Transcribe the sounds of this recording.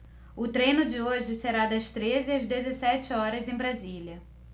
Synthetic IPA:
ʊt̪ɾẽjnʊd͡ʒɪoʒɪseɾad̪ɐst̪ɾezɪɐzd̪ezesɛt͡ʃɪɔɾɐzẽj̃bɾaziliɐ

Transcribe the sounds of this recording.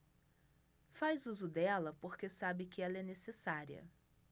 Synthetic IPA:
fajzuzʊd̪ɛlɐpoɾkesabɪkɪɛlɐɛnesesaɾiɐ̰

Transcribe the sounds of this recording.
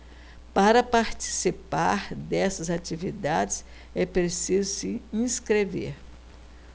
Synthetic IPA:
paɾɐpaɾt͡ʃi̥sipaɾd̪ɛsɐzat͡ʃivid̪ad͡ʒɪs | ɛpɾesizʊsiĩskɾevḛɾ

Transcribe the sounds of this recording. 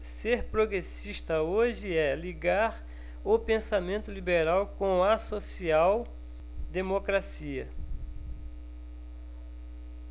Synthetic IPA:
seɾpɾoɡɾesiʃt̪ɐoʒɪɛliɡaɾ | ʊpẽsamẽnt̪ʊlibeɾawkõɐsosiaw | d̪emokɾasiɐ

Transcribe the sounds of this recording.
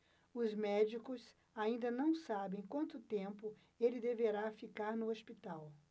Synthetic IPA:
ʊzmɛd͡ʒikʊs | aĩnd̪ɐnɐ̃w̃sabẽj̃kwɐ̃nt̪ʊt̪ẽmpʊ | elɪd̪eveɾafikaɾnʊospit̪aw

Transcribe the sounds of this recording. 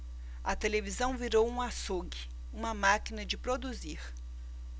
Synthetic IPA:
ɐt̪elevizɐ̃w̃viɾowũasoɡɪ | ũmɐmakinɐd͡ʒɪpɾod̪uziɾ

